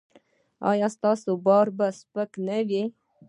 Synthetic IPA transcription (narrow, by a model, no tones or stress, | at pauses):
ɑ̰jɑst̪ɑsobɑɾbaspəknawi